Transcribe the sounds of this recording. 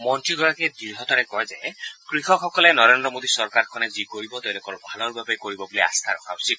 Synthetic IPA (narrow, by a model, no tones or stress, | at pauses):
mɔntɹiɡɔɹaked̪iɹɦɔt̪aɾɛkɔjzekɹixɔkʰɔkɔlenɔɾend̪ɾɔmod̪isɔɾkaɾkʰɔnezikoɹibɔt̪ewlokɔɾɔbʱalɔɾbabekoɹibɔbolia̰st̪ʰaɾɔ̰kʰausi